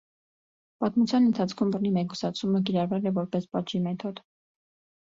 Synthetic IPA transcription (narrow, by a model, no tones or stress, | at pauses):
pɑt̪mut͡sʰjɑnənt̪ʰɑt͡sʰkʰumbərnimɛku̥sɑt͡sʰumək̬iɾɑrvɛlɛvɔɾpɛspɑʒimɛt̪ʰɔd̪